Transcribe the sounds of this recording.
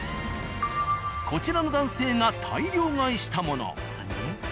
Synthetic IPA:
kʰo̞t͡ɕiɾanod̪ãɰ̃se̞ːŋat̪ʰa̰iɾʲo̞ːŋaiɕi̥t̪amo̞no̰

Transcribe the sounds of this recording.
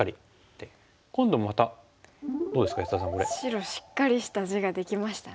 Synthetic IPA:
aɾʲi | t̪ːe | kõ̞nd̪o̞mat̪a | d̪oːd̪e̞sɨ̥kajisas̬ãŋkoɾeɕiɾo̞ɕi̥kːaɾʲiɕi̥t̪aʑiɡad̪e̞kʲimaɕi̥t̪a

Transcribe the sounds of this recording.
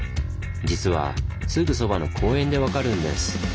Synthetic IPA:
d͡ʑit͡sɨβa̰sɨɡɯ̟so̞bano̞kʰo̞ːẽ̞nd̪e̞βakaɾɯ̟̃nd̪e̞̰sɨ̥

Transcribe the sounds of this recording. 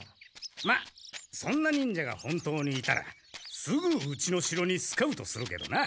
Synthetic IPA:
masõ̞nːaɲ̟ĩɲ̟d͡ʑaɡa̰hõ̞nt̪o̞ːɲ̟iːt̪a̰ɾa̰ | sɨɡɯɯt͡ɕino̞ɕiɾo̞ɲ̟isɨ̥kaɯ̟t̪o̞sɨɾɯ̟ke̞̰d̪o̞̰na

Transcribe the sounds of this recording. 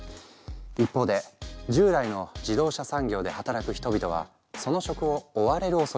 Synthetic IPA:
ipːo̞ːd̪e̞d͡ʑɨːd̪aino̞d͡ʑid̪o̞ːɕasãŋɡʲo̞ːd̪e̞hat̪aɾakɯ̟çi̥t̪o̞bʲit̪oβ̞a̰ | so̞no̞ɕo̞kɯ̟o̞ːβaɾe̞ɾɯ̟oso

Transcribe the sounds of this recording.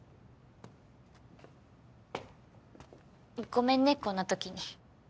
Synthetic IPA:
ikomenːekːonat̪okiɲi

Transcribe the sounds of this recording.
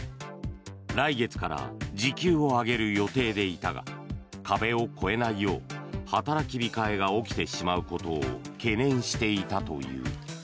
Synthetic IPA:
ɾaiɡe̞t͡sɨ̥kaɾa̰d͡ʑikʲɨːo̞aɡe̞ɾɯ̟jo̞t̪e̞ːd̪e̞it̪aɡa̰kabe̞o̞kʰo̞e̞naijo̞̰ːhat̪aɾakʲibʲikae̞ɡao̞kʲi̥t̪e̞ɕimaɯ̟ko̞t̪o̞̰ːke̞nẽ̞ɰ̃ɕi̥t̪e̞it̪at̪o̞̰jɯ̟̰ː

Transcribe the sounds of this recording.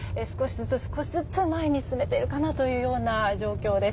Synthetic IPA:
esɨ̥ko̞ɕizɨt͡sɨsɨ̥ko̞ɕizɨt͡sɨmaeɲ̟isɨ̥t͡sɨme̞t̪e̞ɾɯ̟kanat̪o̞jɯ̟ːjo̞ːnaʑo̞ːkʲo̞ːd̪e̞

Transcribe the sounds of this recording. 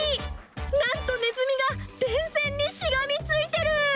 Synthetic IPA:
nãnt̪o̞ne̞zɨmʲiɡad̪̥ẽ̞ɰ̃sẽ̞ɲːiɕiɡamʲit͡sɨit̪e̞ɾɯ̟

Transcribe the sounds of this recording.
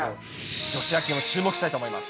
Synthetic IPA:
d͡ʑo̞ɕiakʲẽɰ̃ot͡ɕɨːmokɯ̟ɕi̥t̪ait̪omo̞imasɨ̥

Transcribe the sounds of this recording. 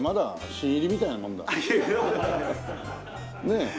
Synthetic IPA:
mad̪a | ɕĩiɾʲimʲit̪ainamõ̞nd̪a̰ | ne̞

